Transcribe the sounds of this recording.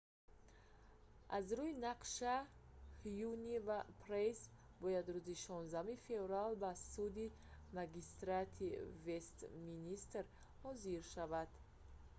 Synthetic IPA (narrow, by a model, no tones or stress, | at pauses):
ʔazɾuinaqʃahjunivapɾes | bɔjad̪ɾuziʃɔnzd̪amife̞vɾalbasud̪i | maɡist̪ɾat̪ʰivest̪minist̪ɾ | hɔziɾʃavad̪̥